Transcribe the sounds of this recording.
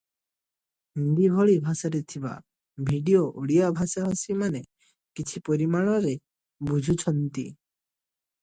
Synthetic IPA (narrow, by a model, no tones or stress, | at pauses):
ind̪ibʱoɭibʱasaɾet̪ʰiba̰ | bʱiɖioʔoɽijabʱasaɦasimane | kit͡ʃʰipɔɾimaɭ̃ɔɾe | bud͡ʒʱut͡ʃʰɔnt̪ḭ